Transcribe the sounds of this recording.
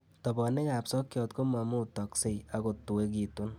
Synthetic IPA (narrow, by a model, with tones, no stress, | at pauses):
tɔ˨bɔ˨ne˦ka˨psɔ˦kjɔ˧tko˦ma˨mu˦tɔ˨kse˦ja˦ko˨tu˨we˦k̬i˨tu˦n